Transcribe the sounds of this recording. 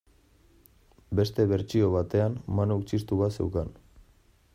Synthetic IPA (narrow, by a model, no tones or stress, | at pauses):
be̞st̪e̞βe̞ɾt͡ʃio̞β̞at̪e̞anmanoukt͡ʃist̪uβase̞̰wkan